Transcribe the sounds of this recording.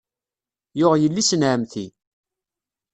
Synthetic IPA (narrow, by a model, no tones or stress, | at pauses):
jʊʁjəlːisənʕəmθi